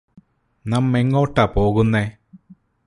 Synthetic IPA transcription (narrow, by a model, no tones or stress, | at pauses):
nɐmːeŋːo̞ːʈːɐpo̞ːɣunːe